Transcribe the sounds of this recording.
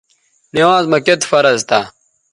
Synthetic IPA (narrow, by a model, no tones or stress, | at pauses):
niwaːzmɐket̪fɐɾɐzt̪aː